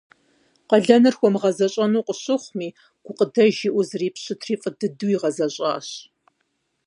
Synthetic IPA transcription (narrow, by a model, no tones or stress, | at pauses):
qɐɮɐnɨrxʷɔmʁɐzɐɕʼɐnuːqʷəɕɪχʷmiː | ɡ̥ʷʊqədɐʒɪʔʷʊzriːpɕɪtʰriːfʼədɨduːiʁɐzɐɕʼa̰ːɕ